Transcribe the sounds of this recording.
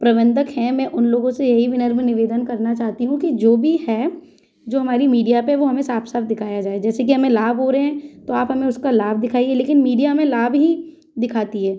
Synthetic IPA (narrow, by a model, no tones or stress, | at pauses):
pɾɐbə̃nd̪əkɦɛ̃mɛ̃ʔʊnloːɡõsejɐɦiʋɪnəɾmẽnɪʋeːd̪ənkɐɾnat͡ʃaːɦt̪iɦũkid͡ʒoːbʱihɛː | d͡ʒoːɦɐmaːɾimiːɖijapeʋoɦɐmẽsaːpʰsaːpd̪ɪkʰaːjad͡ʒaːed͡ʒɛːsekiɦɐmẽlaːbʱɦoɾɐɦɛ̃t̪oaːpɦɐmẽʊskalaːbd̪ɪkʰaːiɦɛleːkɪnmiːɖijamẽlaːbɦi | d̪ɪkʰaːt̪iɦɛː